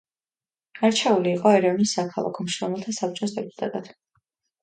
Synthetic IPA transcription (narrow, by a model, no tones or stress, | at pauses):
aɾt͡ʃʰɛuliːqʼɔɛɾɛvnisːakʰalˠa̰kʰɔmʃɾɔmɛlˠt̪ʰasap̚t͡ʃʼɔs̬d̪ɛpʼut̪ʼat̪ʼad̪̥